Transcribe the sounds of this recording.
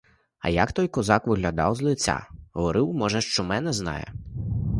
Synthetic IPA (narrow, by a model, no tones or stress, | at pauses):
ɐ̰jɐkt̪ɔjkɔzɑkʋɪɦlʲɐd̪ɑ̰wzlˠɪt͡sʲːa̰ɦɔʋɔɾɪwmɔʒɛʃt͡ʃɔmɛnɛznɑ̰jɛ̰